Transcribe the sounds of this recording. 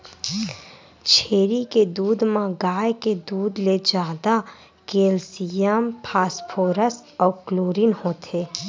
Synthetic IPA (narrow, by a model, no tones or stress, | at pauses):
t͡ʃʰeːɾiked̪uːd̪mãɡaːjked̪uːd̪led͡ʒaːd̪a | keːlsijəmpʰaːspʰoːɾəsɔːkloːɾinhoːt̪ʰeː